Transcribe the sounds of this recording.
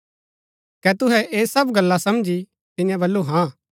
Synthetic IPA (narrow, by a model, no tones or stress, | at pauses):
kɛt̪ʊɦɛʔeːsɐbɡɐlːasɐmd͡ʒi | t̪ɪjãbɐlːuɦãː